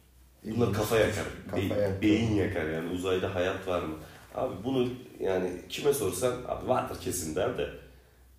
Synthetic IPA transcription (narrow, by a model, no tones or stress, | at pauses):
bunˠaɾkʰafajakʰa̰ɾd̪ejibejinjakʰaɾjaːniuzajd̪aɦajat̪ʰvaɾmɯa̰ːbibunujaːnɪ̰cʰimɛso̞ɾsama̰ːbivaɾd̪ɯɾcʰe̞simd̪æɾd̪ɛ